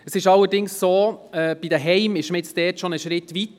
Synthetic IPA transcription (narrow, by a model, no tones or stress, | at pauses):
əsɪʃɑlːəɾdɪŋssoːɛb̥id̪əɦɛɪmɪʃməɛt͡std̥ɛːtʃonəʃɾɪtʋit̪